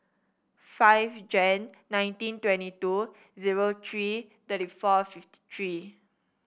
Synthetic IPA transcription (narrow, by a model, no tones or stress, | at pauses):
fajvd͡ʒɛ̃nː | ãj̃ntĩntwɛ̃ntitu | ziɹot̪ʰɹi | t̪əɾifɔfifti̥tʰɹi